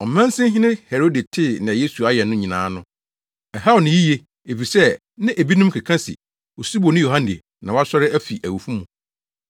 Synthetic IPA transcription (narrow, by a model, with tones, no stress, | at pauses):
ɔ˨mɛ̃˦n˦sɪ̃˦ɦɪ̃˦nɪ̃˦hɛ˨ɾo˦de˨tʰɪ˦˨nɪ̃˨a˨je˦su˨a˦jɛ˨nʊ̃˦ɲĩ˨nã̰ː˨˦nʊ̃˦ | ɛ˨ɦa˦o˨nɪ̃˨˦ji˦je˦ | e˨fi˨sɛ˦ | nɪ̃˦ʔe˨bi˦nũ˦mkʰɪ˨kʰã˦sɪ̰˨ | wɔ˨si˦bo˨nɪ̃˦jo˨ɦã˦nde˨ | nã˨wa˦sɔ˦ɾɪ˦æ˦fi˨ʔæ˨wu˨fu˦mʊ̃˨